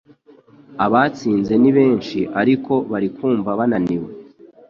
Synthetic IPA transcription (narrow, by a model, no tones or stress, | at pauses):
aβaːt͡siːnze̞niβe̞ːnʃiʔaɾiko̞βaɾikuːɱvaβananiwe